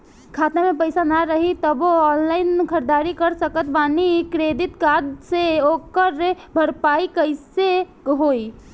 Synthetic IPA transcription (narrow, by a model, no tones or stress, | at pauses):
kʰat̪namepəɪsanaɾəɦit̪əboɔnlaɪnkʰəɾd̪aɾikəɾsəkət̪banikɾed̪it̪kad̪seokəɾe | bʱəɾpaikəɪse | ɦoi